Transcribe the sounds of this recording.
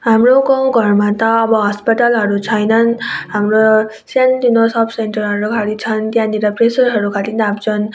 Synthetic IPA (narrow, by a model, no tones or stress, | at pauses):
ɦamrokow̃ɡʱʌrmat̪ʌːbʌɦʌspʌʈʌlɦʌɾut͡sʰʌjnʌnɦamɾo | sentinosʌpʰsenʈʌɾɦʌɾukʰaɾit͡sʰʌnt̪jãniɾʌpresʌɾɦʌɾukʰatinamd͡zʰʌn